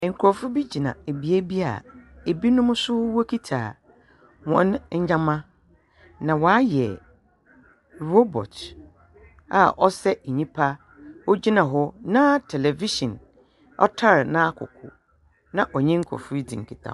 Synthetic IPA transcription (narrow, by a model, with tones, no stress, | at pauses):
ŋ̩˨kʰʊ˨ɾɔ˨fʊ˦bi˦d͡ʑi˨nã̰˨e˨bi˨æ˦bi˦a̰˨e˨bi˦nʊ̃˦m˦sʊ˦wɔ˦kʰi˦tʰa̰ː˨ | wɔ̰̃˨˦n˦ɲ̩˦d͡ʑã˦mã˦ | nã˨wɔ˨a˦jɛ̰˨ | ɾo˦bɔ̰˨t | a̰˨ʔɔ˦sɛ˦˨ɲĩ˦pʰa˦ | wɔ˦d͡ʑi˦nã˨ɦɔ˦nã˦tʰɛ˨lɛ˨vi˦ʃɔ̃˨n | ɔ̰˦tʰa˦ɾnã˦kʰʊ̰˨kʰʊ̰˨ | nã˦ʔɔ˨ɲɛ̃˦ŋ̩˦kʰɔ̰˨fʊ˦i˦dḭ̃˨ŋ̩˨kʰi˨tʰã̰˨